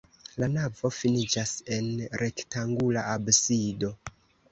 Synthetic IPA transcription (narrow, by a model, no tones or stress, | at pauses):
lanavo̞finid͡ʒase̞nɾʔe̞ktaŋɡulaabsido̞